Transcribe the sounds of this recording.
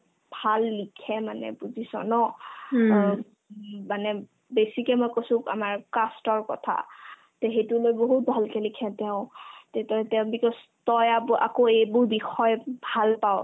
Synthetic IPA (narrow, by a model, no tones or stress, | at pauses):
bʱalːikʰɛmanɛ̰puzisɔ̰nɔ | manɛ | besikɛmɔjkosʊ̃a̰maɹkastɔɹkɔ̰tʰa̰ | teɦejtulojboɦut̚bʱalkɛlikʰɛtɛʊ̃tetɛtɛʊ̃bikɔs | tɔjabʔa̰koejbʊɹbixɔjbʱalpaw